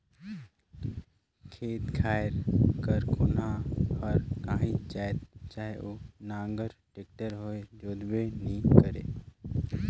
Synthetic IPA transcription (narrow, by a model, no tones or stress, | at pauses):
kʰeːt̪kʰaːɾkəɾkʰonãhəɾkãːɦĩd͡ʒaːet̪t͡ʃaːɦeʔoːnãːŋɡəɾʈeːk̚ʈəɾɦoːed͡ʒoːd̪benĩkəɾḛː